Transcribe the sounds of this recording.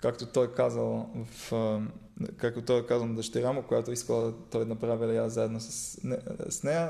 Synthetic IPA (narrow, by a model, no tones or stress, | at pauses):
kakt̪ot̪ɔjkazɐlˠvɐf | kak̚t̪ot̪ɔjɛkazɐlˠnd̪ɐʃt̪ɛɾamokojat̪oiskɐlˠt̪ɔj̪nɐpɾavilˠjazaɛd̪nosɐsnɛsnɛjə